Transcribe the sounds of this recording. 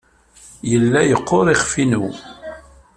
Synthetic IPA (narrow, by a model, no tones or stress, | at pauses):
jəlːæjəqʰːoɾˤiχfinu